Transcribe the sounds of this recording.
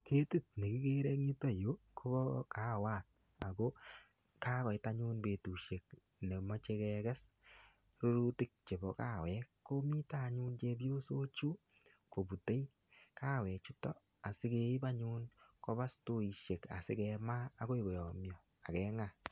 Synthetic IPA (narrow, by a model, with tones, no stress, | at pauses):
kʰe˦ti˦t̚ne˨ki˦ke˦ɾe˦kŋi˦tɔ˦jo˦kʰo˦bɔ˦ka˦waː˦˨t̚ | a˨ko˦ | ka˦kɔ˨jta˦ɲu˦nbe˨tu˨ʃe˨k̚ | ne˨mɔ˦t͡ʃe˧kɛ˧kɛ˦s | ɾo˦ɾu˦tɪ˦k̚t͡ʃe˨bɔ˨kaː˨wɛ˨˦kːo˦mi˦ta˦ɲuː˦nt͡ʃe˧b̬jo˦so˦t͡ʃu˦ | ko˨bu˨te˦j | kaː˦wɛ˨t͡ʃu˦tɔ˦ | a˨sɪ˦ke˦ɪ˦ba˦ɲu˦nkɔ˦ba˦sto˦i˨ʃe˨ka̰˨sɪ̰˦kɛ˧maː˦ko˦i˨ko˨jɔ˨mjɔ˨ | a˨kɛ˨˦ŋa˨